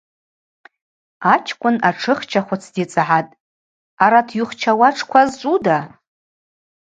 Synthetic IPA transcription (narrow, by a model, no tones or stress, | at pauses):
at͡ʃʰkʷʼʊnaʈ͡ʂʰɨχt͡ʃʰaχʷʊt͡sʰdit͡sʼaʕatʼ | aɾatʰjʊχt͡ʃʰawaʈ͡ʂʰkʷʰazt͡ʃʷʼuda